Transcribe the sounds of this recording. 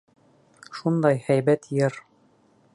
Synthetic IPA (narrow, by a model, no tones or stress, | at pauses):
ʃund̪ɑjhæjbæt̪jɤɾ